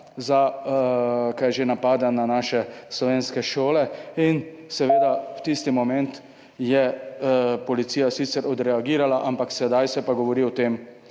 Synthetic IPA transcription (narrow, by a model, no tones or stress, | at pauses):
za | kajʒenapaːd̪ananaːʃɛslɔʋeːnskɛʃoːlɛin | sɛʋeːd̪awt̪ist̪imɔmɛnt̪ | jɛ | pɔlit̪siːjasit̪sɛɾɔd̪ɾɛaɡiːɾalaʔampaksɛd̪ajsɛpaɡɔʋɔɾiɔt̪eːm